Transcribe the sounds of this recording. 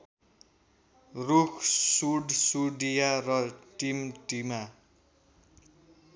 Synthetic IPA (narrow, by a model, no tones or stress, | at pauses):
rukʰsuɖsuɖijarʌʈimʈima